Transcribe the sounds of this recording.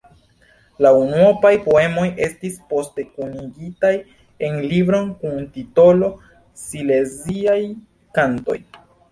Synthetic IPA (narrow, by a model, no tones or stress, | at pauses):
launuopajpo̞e̞mo̞je̞stispo̞ste̞kuniɡitaj | e̞nlibɾo̞nkuntito̞lo̞ | sile̞ziaj | kanto̞̰j